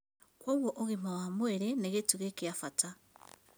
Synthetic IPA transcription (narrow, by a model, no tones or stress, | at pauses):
woɣwoʔoɣimawamweɾeneɣetuɣekeafata